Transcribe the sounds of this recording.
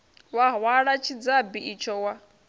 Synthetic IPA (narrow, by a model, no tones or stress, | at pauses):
waɦwaɺat͡ʃʰid͡zabiit͡ʃʰɔwa